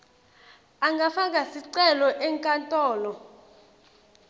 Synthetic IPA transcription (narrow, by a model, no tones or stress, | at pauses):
aŋɡʱafaŋɡʱasiǀɛlɔʔɛŋkʼantʼɔːlɔ